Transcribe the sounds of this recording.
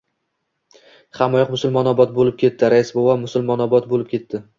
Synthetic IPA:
χamɒjɒqmʊsʊlmɒnɒbɒt̪̚bolɪp̚kʲʰe̞t̪ːɪɾaɪsbovamʊsʊlˠmɒnɒbɒt̪bolɪp̚kʲʰe̞t̪ːɪ

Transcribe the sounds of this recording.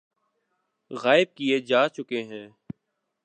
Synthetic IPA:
ɣaːɪb̚kijeːd͡ʒaːt͡ʃʊkeːɦɛ̃ː

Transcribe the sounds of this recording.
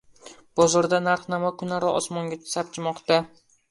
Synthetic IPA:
b̥ɒzɒɾd̪anaɾχnamakʰʊnaɾɒɒsmɒŋɡʲat͡ʃ̪ʰɪ̥sap̚t͡ʃʰɪmɒqt̪a

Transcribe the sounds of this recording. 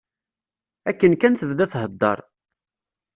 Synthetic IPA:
ækːənkænθəvðæθɦəd̪ːɑ̰ɾˤ

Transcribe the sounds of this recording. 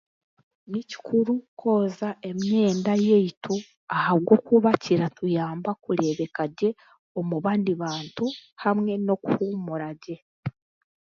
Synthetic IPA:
nici̥kʰuɾukʰo̞ːzaʔe̞mɲe̞ːndajeitu | ahaβɡo̞kuβaciɾatujaːmbakuɾe̞βe̞kaɟe̞ | omuβaːndiβaːntuhamŋe̞no̞kuhumuɾaɟe̞

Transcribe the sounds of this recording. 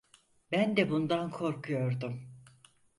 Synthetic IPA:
bænd̪ɛbund̪ankʰo̞ɾkʰujo̞ɾd̪um

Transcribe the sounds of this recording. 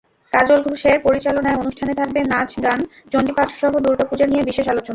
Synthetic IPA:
kaɾd͡ʑolɡʱuʃeɾpoɾit͡ɕalonaeonuʃʈʰanet̪ʰak̚benad͡ʑɡan | d͡ʑond̪ipat̪ʰʃɔɦod̪uɾʈopud͡ʑanijebiʃeʃalot͡ɕona

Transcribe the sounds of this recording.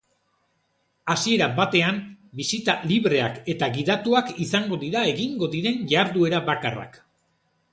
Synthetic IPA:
asie̞ɾabat̪e̞ambisit̪aliβɾe̞a̰ke̞t̪aɣiðat̪uakisaŋɡo̞ðiɾae̞ɣiŋɡo̞ðiɾe̞nʝaːɾðue̞ɾaβakara̰k

